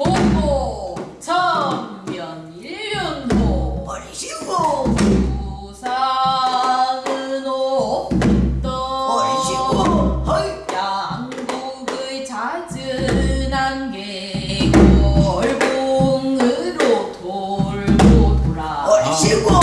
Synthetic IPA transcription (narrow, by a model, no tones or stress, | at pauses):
oot͡ɕʰʌn | jʌn | iɭjʌnɡo | u | sʰa | ŋɯno | t͈ʌ | jaŋ | ɡo | ɡɯ | t͡ɕad͡ʑɯnanɡe | ɡoʌɭɡoŋɯɾotoɭɡotoɾa